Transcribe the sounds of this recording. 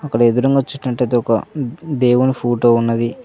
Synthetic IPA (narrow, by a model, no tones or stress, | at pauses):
ɐkːɐɽed̪uɾɐŋɡɐt͡ʃːuʈːnɐʈːɐjt̪eɔkɐd̪eːwunipʰoːʈo̞ːunːɐd̪i